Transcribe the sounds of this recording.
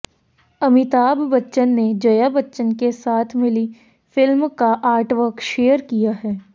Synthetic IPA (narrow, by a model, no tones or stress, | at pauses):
ɐmɪt̪aːbːɐtːʃənːed͡ʒɐjabɐtːʃənkesaːt̪ʰmɪli | fɪlmkaʔaːɾʈʋəɾkʃeːəɾkijaɦɛː